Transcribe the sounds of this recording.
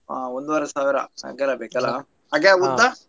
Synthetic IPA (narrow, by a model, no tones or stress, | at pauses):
a̰ːond̪uʋɐɾesaːʋiɾɐ̰a̰ːɡɐlːɐbeːkɐlːɐ̰ | ɦaːɡeud̪a